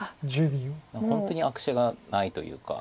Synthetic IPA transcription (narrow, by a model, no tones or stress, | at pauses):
d͡ʑɨbʲĩahõ̞nt̪o̞ɲ̟iakɯ̟̥ɕaɡanait̪o̞̰jɯ̟̰ːka̰